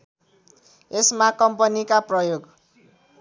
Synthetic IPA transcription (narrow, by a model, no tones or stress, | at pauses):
esmakʌmpʌnikaprʌjoɡ